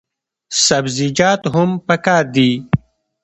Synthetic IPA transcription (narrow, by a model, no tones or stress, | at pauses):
sɐbzid͡ʑaːt̪ɦʊmpɐkaːɾd̪iː